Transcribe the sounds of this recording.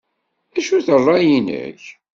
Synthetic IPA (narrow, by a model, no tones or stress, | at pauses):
æʃuθərˤːɑjinə̰ç